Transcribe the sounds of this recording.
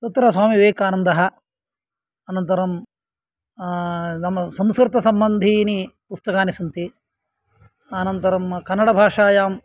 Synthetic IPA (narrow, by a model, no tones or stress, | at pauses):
t̪ɐt̪ɾɐsʋaːmiʋeːkaːnɐnd̪ʱɐɦɐ | ɐnɐnt̪ɐɾɐm | nɐmːɐsɐmskɾɪt̪ɐsɐmbɐnd̪ʱinipust̪ɐkaːnisɐnt̪i | ɐnɐnt̪ɐɾɐmkɐnːɐɽɐbʱaːʂaːjaːm